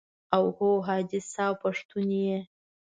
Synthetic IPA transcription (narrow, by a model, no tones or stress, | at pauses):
awhowɦaːdɪsawpʰaʂtʰunije